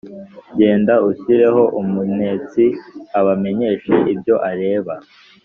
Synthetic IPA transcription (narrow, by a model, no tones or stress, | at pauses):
ɟe̞ːndauɕiɾe̞ɦo̞ʔumune̞ːt͡siaβame̞ɲe̞ːʃeʔibjo̞ʔaɾe̞ːβa